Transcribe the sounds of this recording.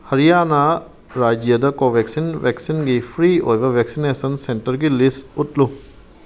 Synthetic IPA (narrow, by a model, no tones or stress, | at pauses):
hɐɾijaːna | ɾaːd͡ʒjɐd̪ɐkoʋeksinʋeksinɡipʰɾiːojʋɐʋeksineːsɐnseɳʈəɾɡilisuʈlu